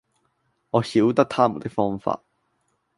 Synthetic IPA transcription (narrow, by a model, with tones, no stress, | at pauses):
ŋɔː˨˧hiː˨˥wt̪ɐ˥k̚t̪ʰaː˥mu˨˩t̪ɪ˥k̚fɔː˥ŋfa̰ː˧t̚